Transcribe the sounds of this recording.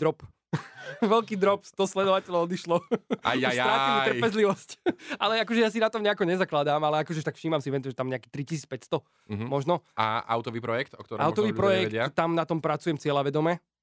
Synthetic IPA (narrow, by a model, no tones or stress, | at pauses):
ɾɔp | ʋɛlkiːd̪ɾɔpst̪ɔslɛd̪ɔʋacɛlɔɔd̪iʃlɔa̰ajt̪ɾaːiirpɛzliʋɔscalɛakɔʒɛjaːs̬inat̪ɔmɲɛakɔɲɛzaklad̪aːmalɛakɔʒɛʃt̪akfʃiːmamsiʋɛnt̪uʒɛt̪amɲɛaki̥t̪ɾicisiːt͡spɛcst̪ɔ | ɦmɔʒnɔa̰ʔa̰wt̪ɔʋiːpɾɔjɛkt̪ɔkt̪ɔɾʔa̰w̪ɔʋiːpɾɔjɛɛkɪtat̪amnat̪ɔmpɾat͡sujɛmt͡sɪɛlaʋɛd̪ɔmɛ